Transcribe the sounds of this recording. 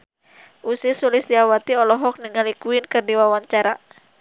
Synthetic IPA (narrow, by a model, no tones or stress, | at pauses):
ʔusɪsulɪsdiawat̪iɔlɔɦɔk̚niŋalikuɪnkɨrdiwawaɲt͡ʃaɾa